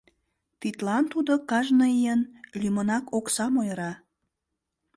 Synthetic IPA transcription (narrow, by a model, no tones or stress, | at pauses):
t̪it̪lɑnt̪ud̪okɑʒnəijənlymənɑkoksɑmojəɾɑ